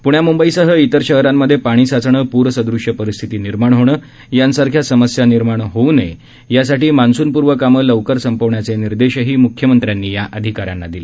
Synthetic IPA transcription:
puɳjamumbəisəɦəit̪əɾɕəɦɾamːəd̪ʱjepaɽ̃iːsat͡sɳəːpuɾəsəd̪ɾuʂjəpəɾist̪ʰit̪iːniɾmaɳ̃ɦoɽ̃əː | jansaɾkʰjasəməsjaniɾmaɳɦoune | jasaʈiːmansuːnpuɾʋəkamələʋkəɾsəmpəʋɳjat͡seniɾd̪eɕəɦiːmukʰːjəmənt̪ɾjanːiːjaʔəd̪ʱikaɾja̰nːad̪ile

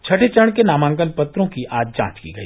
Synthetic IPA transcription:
t͡ʃʰɐʈʰet͡ʃəɽ̃kenaːmãːŋkəlpɐt̪ɾõkiʔaːd͡ʒd͡ʒã̰ːt͡ʃkḭɡɐḭː

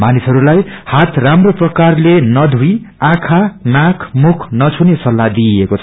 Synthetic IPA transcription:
manisɦʌɾulajhat̪ʰramroprʌkarlenʌd̪ʱuiãkʰanakʰmukʰnʌt͡sʰunesʌlːad̪iekot͡sʰʌ

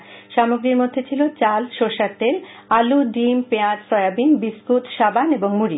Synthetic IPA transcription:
ʃamoɡɾiɾmod̪ʱːet͡ɕʰilot͡ɕalʃoʃaɾt̪el | aluɖimpead͡ʑsɔeabinbiskut̪ʃabaneboŋmuɾi

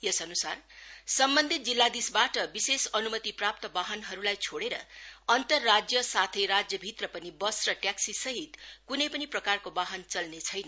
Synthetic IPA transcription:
jʌsʌnusarsʌmbʌnd̪ʱit̪̚d͡zilːad̪isbaʈʌbisesʌnumʌt̪iprap̚t̪ʌbaɦʌnɦʌɾulajt͡sʰoɽeɾʌ̰ʌnt̪ʌrːad͡zjʌsat̪ʰʌjɾad͡zjʌbʱit̪rʌpʌnibʌsrʌʈjaksisʌɦit̪kunʌjpʌniprʌkarkobaɦʌnt͡sʌlnet͡sʰʌjnʌ

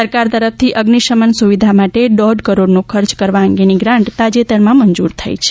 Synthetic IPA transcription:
əɾkaɾt̪əɾəf̚t̪ʰiʔəɡniʃəmənsuʋid̪ʱamaʈeɖɔɖkəɾoɖnokʰəɾt͡ʃkəɾʋaə̃ŋɡeniɡɾãɳʈt̪ad͡ʒet̪əɾmãməɲd͡ʒuɾt̪ʰa̰jt͡ʃʰe̥

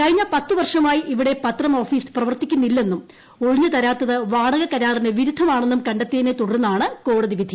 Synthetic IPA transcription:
kɐɻiɲːɐpɐt̪ːɨʋɐrʂɐmaːjiʔiʋiɽe̞pɐt̪ːrɐmo̞ːfiːsɨ̥prɐʋɐrt̪ikʲːunːilːe̞nːum | o̞ɻiɲːɐt̪ɐɾaːt̪ːɐðɨʋaːɽɐɣɐkɐɾaːrineʋiɾud̪ʱːɐmaːɳe̞nːumkɐɳɖet̪ːeːnet̪uɽɐɾunːɐaːɳɨko̞ːɽɐðiʋid̪ʱi

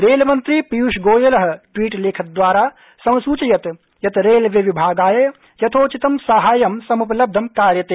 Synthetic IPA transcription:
ɾeːlmɐnt̪ɾipijuʃɡoːjɐlɐɦɐ̆ʈwiːʈleːkʰɐt̪̚d̪ʋaːɾaː | sɐ̃w̃suːt͡ʃɐjɐt̪ | jɐt̪ɾeːlʋjɐʋibʱaːɡaːjɐ | jɐt̪ʰoːt͡ʃit̪ɐmsɐɦaːjɐmsɐmupɐlɐb̚d̪ʱɐmkaːɾjɐt̪eː

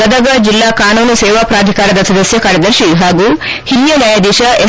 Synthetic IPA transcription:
əd̪əɡəd͡ʑilːakanunuseʋapɾad̪ʱikaɾəd̪ɐsʰɐd̪əsjəkaɾjɐd̪əɾɕiːɦaɡu | hiljənajed̪iɕəʔe

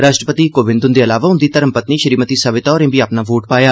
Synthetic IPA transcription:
ɾaːʃʈɾəpət̪iːkoːʋɪ̃nd̪ʊnd̪eːəlaːʋaːɦʊ̃nd̪iːt̪əɾəmpət̪niːʃəɾiːmət̪iːsəʋɪt̪aːɾẽːbiːaːpnaːʋoːʈpaːjaː

